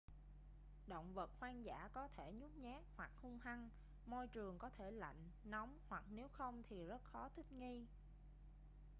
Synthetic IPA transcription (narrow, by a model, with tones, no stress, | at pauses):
ɗə̰˧˨wŋ͡mvə˨˩t̚xwaː˧ŋza̰ː˧˩kɔ˨˦t̪ʰe˧˩ɲu˦˥p̚ɲɛː˦˥k̚hwa˨˩k̚hʊ˧ŋ͡mha˧ŋ | mo˧jt͡ɕɨ˨˩əŋkɔ˨˦t̪ʰe˧˩la̰˧˨jŋ̟nɔ˨˦wŋ͡mhwa˨˩k̚ne˨˦wxə˧wŋ͡mt̪ʰi˨˩zə˦˥t̚xɔ˨˦t̪ʰï˦˥p̚ŋi˧